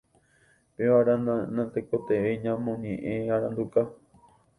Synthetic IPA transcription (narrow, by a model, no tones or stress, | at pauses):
peʋaɾanãnt̪ekot̪eʋeɲãmõɲẽʔẽaɾãnd̪uka